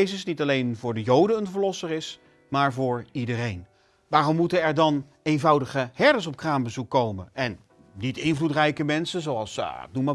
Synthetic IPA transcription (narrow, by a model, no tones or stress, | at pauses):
jzəsnitɑlejnvʊːɹdəjowdəənvəɹlɔsəɾɪs | maːɹvʊːɹidərejn | ʋaːrɔmːutənɛɹdɑn | ejnvɑwdəχəhɛɹdəns̬ɔp̚kraːnbəzukːowmənɛn | nitɪnvlutrɛjkəmɛnsənzowɑlˠsɪ̰k̚numaː